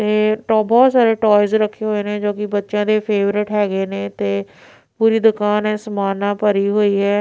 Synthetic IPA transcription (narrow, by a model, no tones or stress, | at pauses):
t̪eːʈɔːbɔːt̪saːɾeːʈɔːɪzɾəkʰːeːɦoːeːnẽːd͡ʒoːkɪbətːʃãːd̪eːpʰeːʋɾɪʈɦɛːɡeːneːt̪eː | puːɾiːd̪ʊkaːnɛ̃ːsəmaːnãːpəɾiːɦoːiːɦɛː